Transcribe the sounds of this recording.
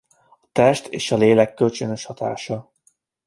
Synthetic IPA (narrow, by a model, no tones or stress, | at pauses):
ɒ̥t̪ɛʃt̪ʰḛːʃɒleːlɛkːø̞lt͡ʃønøʃhɒt̪a̰ːʃɒ